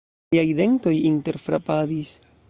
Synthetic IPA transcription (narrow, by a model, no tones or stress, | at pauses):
ajde̞ŋto̞jinte̞ɾfɾa̰padis